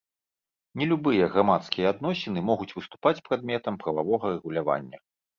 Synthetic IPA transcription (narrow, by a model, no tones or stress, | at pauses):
nʲɛlʲubɨjɐɣɾamat̪skʲijɐad̪nɔsʲɛnɨmɔɣut͡sʲvɨst̪u̥pat͡sʲpɾad̪̚mʲɛt̪ɐmpɾɐvavɔɣɐrɛɣulʲava̰nʲːɐ